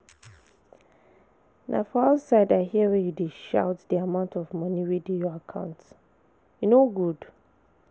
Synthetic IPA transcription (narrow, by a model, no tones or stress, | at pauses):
nʔa̰fɔaʊsaɪdaɪhiəwɛjudeʃa̰ʊtdiamãʊ̃ntʰɔvmʌ̃niwidĩnjɔakʰãʊ̃nt | junoɡud̥